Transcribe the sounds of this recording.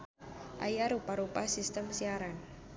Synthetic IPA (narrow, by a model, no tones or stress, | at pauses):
ʔa̰jaɾupaɾupasist̪əmsiaɾan